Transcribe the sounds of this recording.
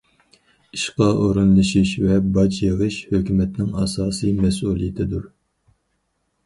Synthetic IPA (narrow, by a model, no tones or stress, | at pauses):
iʃqɑʔoɾunlˠɨʃiʃvɛbɑt͡ʃjeʁɨʃhøkʲymɛt̪nɪŋɑːsɑːsɨjmɛsulˠijɪt̪ʰɪd̪u